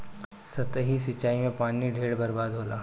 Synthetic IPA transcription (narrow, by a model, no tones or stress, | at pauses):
sɐt̪əɦis̬it͡ʃaːimẽpaːniɖʱeːɽbɐɾbaːd̪ɦoːla̰ː